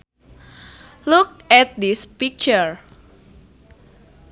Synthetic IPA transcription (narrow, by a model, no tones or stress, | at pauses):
luk̚ɛt̪̚dispik̚t͡ʃəɹ